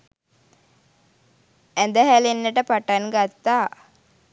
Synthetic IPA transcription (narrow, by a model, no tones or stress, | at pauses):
ænd̪əɦælenːəʈəpaʈanɡat̪ːaː